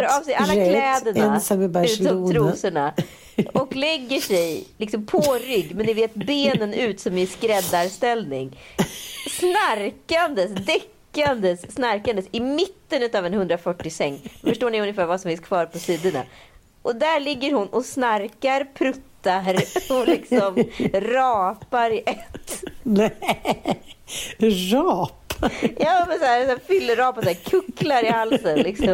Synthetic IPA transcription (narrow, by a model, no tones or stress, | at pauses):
ɾɑːvsɛjalːakʰlɛːd̪əɳaʉ̟ːt̪ɔmʰɾuːsəɳa | ɔklɛɡːəʂɛjlɪksɔmpʰɔɾʏɡːmɛnːɪveːt̪̚beːnənʉ̟ːt̪sɔmɪskɾɛd̪ːaɾst̪ɛlnɪŋ | snaɾkand̪əsd̪ɛkːand̪əsːnaɾkand̪əsɪmɪt̪ːənʉ̟ːt̪aːvɛnhɵnd̪ɾafœʈːɪsɛŋːfœʂʈoːɳɪɵnːjɪfæːɾvasɔmfɪnskʰvɑːɾpʰɔsiːd̪ʊɳa̰ | ʔɔd̪æɭɪɡːəɾhʊnʔɔsnaɾkaɾpʰɾɵt̪ːaɾɔlɪksɔmɾɑːpaɾɪʔɛt̪ːnɛ | ɾɑːpjɑːmɛnsæːɾsæːfʏlːəɾɑːpasæːɾkʰɵkːlaɾɪhalsənlɪksɔm